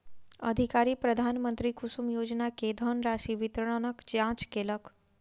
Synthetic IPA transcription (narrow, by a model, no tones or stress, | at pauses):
ə̰d̪ʱikaɾiːpɾəd̪ʱaːnmənt̪ɾikusumjoːd͡ʒnaked̪ʱənɾaʃiʋit̪ɾəɳ̃ənəkd͡ʒãːt͡ʃkelək